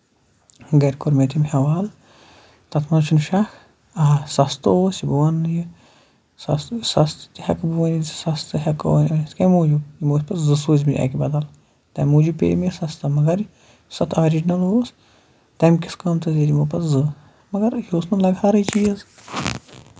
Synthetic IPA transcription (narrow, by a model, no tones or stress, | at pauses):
ɡɐɾʲkoɾmet̪ʰimhɐʋaːl | t̪ɐt̪ʰmɐnt͡ʃʰunʃak | ɐsɐst̪oːsʲibuwɐnːɨji | sɐssɐst̪ɨ̥t̪ihɐkbuʋɐnizsɐst̪ɨɦɐko̰nʲɐiskɐmuːd͡ʒujimoːsʲpɐszɨsuːzʲminʲʔɐ̰kibɐd̪ɐl | t̪ɐmuːd͡ʒupʲḛːmisɐst̪ɐmɐɡɐɾi | sɐt̪ʰaːɾid͡ʒnɐloːs | t̪ɐmʲkʲiskɐmt̪ɐzʲiɾʲimopɐszɨ | mɐɡɐɾjoːsnɐlɐɡaːɾɐt͡ʃijɐz